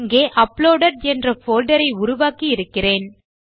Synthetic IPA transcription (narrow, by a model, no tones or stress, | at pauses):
ŋɡeːʔɐploːɽɐʈɛndrɐfoːlɖɐɾɐɪʊɾʊʋaːkiɪɾɯkːɪreːn